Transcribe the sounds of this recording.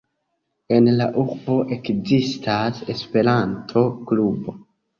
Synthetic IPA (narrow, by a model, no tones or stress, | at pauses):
e̞nlaʔuɾbo̞ʔe̞kzistʰase̞spe̞ɾantʰo̞klubo